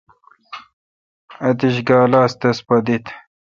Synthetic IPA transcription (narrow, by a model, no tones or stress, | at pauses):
ɐt̪iɕɡaːlaːst̪ɐspɐd̪it̪